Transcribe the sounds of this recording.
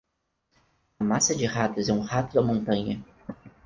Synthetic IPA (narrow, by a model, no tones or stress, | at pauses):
ɐmasɐd͡ʒɪhat̪ʊzɛũhat̪ʊd̪ɐmõnt̪ɐ̃ɲɐ